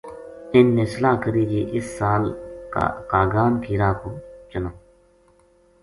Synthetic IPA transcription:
ɪnːeːsəlaːkəɾiːd͡ʒiːʔɪsːaːl̰ | kaːɡaːmkʰiːɾaːkoːt͡ʃʊnoː

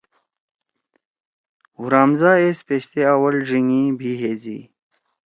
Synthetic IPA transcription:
uɾaːmzaːespeɕt̪eawəlʐiŋibʱiɦeːzḭː

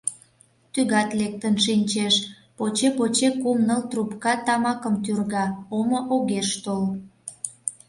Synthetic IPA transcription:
t̪yɣɑt̪lek̚t̪ənʃinʲt͡ɕeʃ | pot͡ɕepot͡ɕekumnəlt̪rupkɑt̪ɑmɑkəmt̪̬yrɣɑomoʔoɣeʃt̪ol

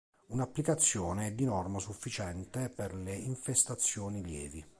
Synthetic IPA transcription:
unapːlikat̪sːjɔːneɛd̪ːinɔrmasufːit͡ʃɛnt̪eperleiɱfest̪at̪sːjɔːniljɛ̰ːvi

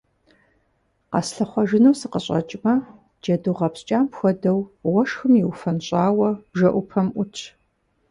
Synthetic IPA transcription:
qɑ̰sɬɐχʷɔʒɪnɐwsɨqəɕʼɐ̰t͡ʃʼmɐ | d͡ʒɐduʁɐpst͡ʃʼaːmpxʷɔdɐwwɔʂxɨmjiwfɐnɕʼaːwɐb̥ʒɐʔʷʊpʰɐmʔʷʊt͡ʃʰ

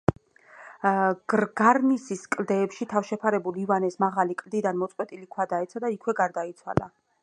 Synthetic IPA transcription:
ɡ̥ɾɡaɾnisiskʼld̪ɛːpʃit̪ʰafʃɛpʰaɾɛbulivanɛsmaʁalikʼld̪id̪anmɔt̪sʼqʼwɛt̪ʼilikʰwad̪aɛt̪sʰad̪aikʰwɛɡaɾd̪ait̪sʰwa̰la̰

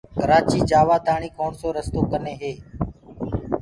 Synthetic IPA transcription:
kəɾaːt͡ʃiːd͡ʒaːʋaːt̪aːɳiːkoːɳsoːɾəst̪oːkəneːɦeː

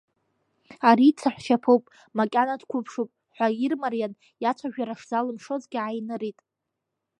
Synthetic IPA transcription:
aɾit͡sʰaħʷʃapʰowpʼ | makʲʼanadkʷʰʊpʰʂupʼ | ħʷairmarjan | jat͡ʃʷʰaʒᶣaɾaʂzalɨmʂo̞zɡʲɪʕajnɨɾitʼ

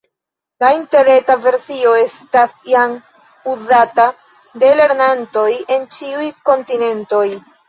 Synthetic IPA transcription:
lainteɾe̞tave̞ɾsio̞e̞stasjam | uzata | de̞le̞ɾnanto̞je̞nt͡ʃiujko̞ntine̞nto̞j

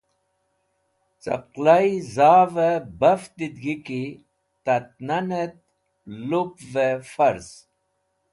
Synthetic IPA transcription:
t͡sɐ̰qlajzaːvebɐft̪id̪ɡiki | t̪ɐt̪̚nanet̪̚ | lupvefɐɾz

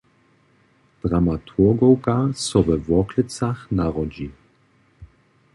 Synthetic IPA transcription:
d̪̥ʁamat̪ʰuɡɔwkasɔvɛvɔklət͡saxnaʁɔd͡ʑi

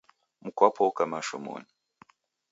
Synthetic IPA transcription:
mukapʰokamaʃumṵni

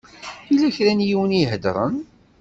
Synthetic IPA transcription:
ilæçɾænjiwəniɦəd̪ɾˤə̰n

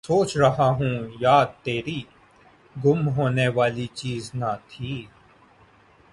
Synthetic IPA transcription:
soːt͡ʃɾɐɦaɦũːjaːt̪eːɾi | ɡʊmɦoːneʋaːlit͡ʃiːznat̪ʰiː

